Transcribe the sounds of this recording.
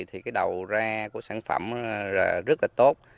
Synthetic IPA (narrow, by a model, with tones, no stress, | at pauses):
t̪ʰi˨˩kaː˨˦jɗə˨˩wzaː˧ku˧˩əsaː˧˩ŋfə̰˧˩mzaː˨˩zə˦˥t̚laː˨˩t̪o˦˥t̚